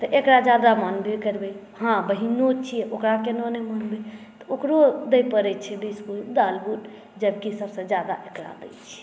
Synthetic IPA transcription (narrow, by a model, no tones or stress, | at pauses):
t̪əʔekɾad͡ʒjad̪amənbekəɾbɛ | hãbəɦinot͡ʃʰijɛʔokɾakenɔnemənbe | t̪ɔokɾod̪əjpəɾɛt͡ʃʰɛbiskuld̪albuʈ | d͡ʒəbkisəbsə̃d͡ʒjad̪a̰ʔekɾa̰d̪ə̰t͡ʃʰɛ̥